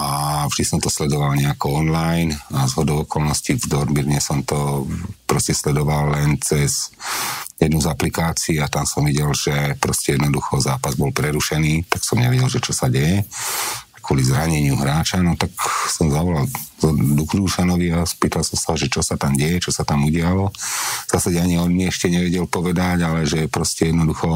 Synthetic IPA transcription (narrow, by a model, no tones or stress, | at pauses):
avʒd̪isɔmt̪ɔslɛd̪ɔʋalɲɛakɔɔnlajnazɦɔd̪ɔʊɔkɔlnɔscivd̪ɔɾmiɾɲɛsɔmt̪ɔpɾɔscɛslɛd̪ɔʋalːɛnt͡sɛz | jɛd̪nuzaplikaːt͡siːat̪amsɔmʋiɟɛlʒ̥ɛpɾɔscɛjɛd̪nɔd̪uxɔzaːpazbɔlpɾɛɾuʃɛniːt̪aksɔmɲɛʋɛɟɛlʒɛt͡ʃɔsaɟɛjɛ | kwɔlizɾaɲɛɲɪuɦɾaːt͡ʃanɔt̪aksɔmzaʋɔlald̪ukɾuːʃanɔʋiaspiːt̪alsɔmsaʒɛt͡ʃɔsat̪amɟɛjɛt͡ʃɔsat̪amuɟɪalɔz̥aːsaɟɛaɲiɔnɲiɛʃcɛɲɛʋɛɟɛlpɔʋɛd̪aɟalɛʒɛpɾɔscɛjɛd̪nɔd̪uxɔ